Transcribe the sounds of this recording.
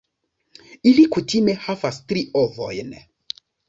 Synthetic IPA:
ilikutimehavast̪ɾiʔovo̰jn

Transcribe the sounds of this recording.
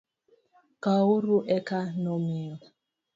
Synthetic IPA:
kauɾuʔɛkanɔmiɔ

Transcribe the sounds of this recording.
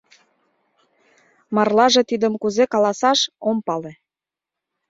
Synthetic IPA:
mɑrlɑʒet̪id̪əmkuzekɑlɑsɑʃompɑlĕ

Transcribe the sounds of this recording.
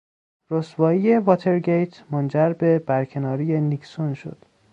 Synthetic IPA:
ɾosvɒːjije̞vɒːt̪ʰe̞ɾɡejt̪ʰmond͡ʒæɾbe̞bæɾcʰe̞nɒːɾijeniksonʃo̰d̪̥

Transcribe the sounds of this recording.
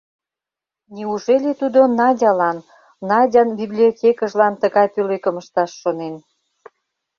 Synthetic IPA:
niuʒelʲet̪ud̪onɑdʲɑlɑnː | ɑdʲɑnbiblʲiotʲekəʒlɑnt̪əɣɑjp̪ølekəməʃt̪ɑʃːonen

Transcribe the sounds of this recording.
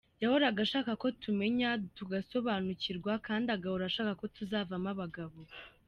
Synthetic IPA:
jahoɾaɡaʃaːkako̞tume̞ɲatuɡaso̞βaːnuciɾɡwakaːndaɡahoɾaʃaːkako̞tuzaːvamaβaɡaβo̞

